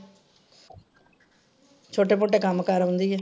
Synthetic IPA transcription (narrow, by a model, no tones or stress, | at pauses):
t͡ʃʰoːʈeːpoːʈeːkəmkəɾɦʊ̃nd̪iːɛː